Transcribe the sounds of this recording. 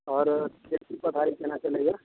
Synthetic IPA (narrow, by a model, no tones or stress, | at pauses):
ɔːɾp̪eksipət̪aɾikenat͡ʃəleɡa